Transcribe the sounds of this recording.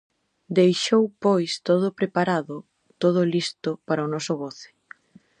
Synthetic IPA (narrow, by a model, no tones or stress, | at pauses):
d̪ejʃowpojst̪oð̞ʊpɾepaɾaðʊ | t̪oð̞ʊlist̪ʊpaɾaonɔsʊɣoθɪ̥